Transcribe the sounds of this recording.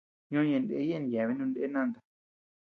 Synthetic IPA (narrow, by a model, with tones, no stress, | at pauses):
ɲõ˦jẽ˧˨ndḛ˦je˦˨n˨ja˨βi˦nũ˧nde˦nã˦˨nd̪a˨